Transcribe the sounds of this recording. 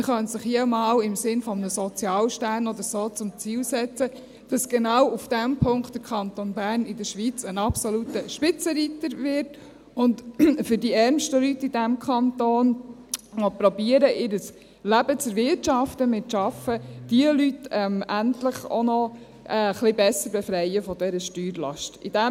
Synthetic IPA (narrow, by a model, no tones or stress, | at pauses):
mχœnsəχhimɑːlɪmsɪnfɔmənəsɔt͡sjɑːlʃtæːnɔd̪əsoːt͡sʊmt͡siːlsɛt͡sə | d̥ɑsɡ̥ɛnɑwufd̥æmpʰʊŋktdəɾkʰɑnt̪onbæːrnɪdəɾʃʋit͡sənɑpsɔlutəʃpɪt͡səɾit̪əɾvɪɾt | ʊntfʏɾdiɛɾmʃtəlytːidæmkʰχɑnt̪oːnmɔpɾɔbiːəɾəʔɪɾəs | læbət͡səɾvɪɾtʃɑftəmɪtʃɑfəd̥iəlytɛmæntləχo̰nɔ | ʔɛχlɪbɛsəɾbɛfɾɛjəfɔd̪ɛɾəʃtyːɾlɑ̰ʃtid̥æ